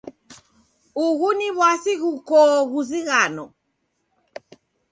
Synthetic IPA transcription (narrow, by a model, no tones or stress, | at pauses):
uɣuniβwasiɣukɔɣuziɣanɔ